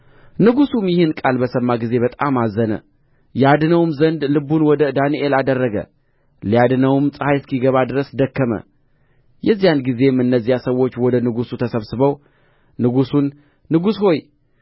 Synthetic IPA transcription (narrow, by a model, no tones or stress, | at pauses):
nɨɡusumjɪhɨnkʼalbəsəmːaɡize̞βət̪ʼamazənə̰ | jad̪ɨnəwmzənd̪lɨbunwɔd̪əd̪aniʔelad̪ərːəɡə̰ | lijad̪ɨnəwmsʼɨhajskʰiɡəβad̪ɨɾəsd̪əkːəmə̰ | jɛzːijanɡize̞mɨnːəzːijasəwːo̞t͡ʃːwɔd̪ənɨɡusut̪ʰəsəβsɨβəw | nɨɡusunː | ɨɡusho̞j